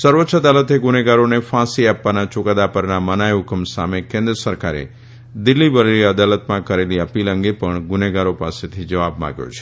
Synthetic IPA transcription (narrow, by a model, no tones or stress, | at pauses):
səɾʋətːʃʰəd̪alət̪eɡʊneɡaɾonefãsiapʋanat͡ʃʊkad̪apəɾnamənajukʰəmsa̰mekẽnd̪ɾəsəɾkaɾḛ | d̪ɪlːibəɾeliəd̪alət̪mãkəɾeliəpilə̃ŋɡepəɳɡʊneɡaɾopaset̪ʰid͡ʒəʋabmã̰ɡjo̰t͡ʃʰe̥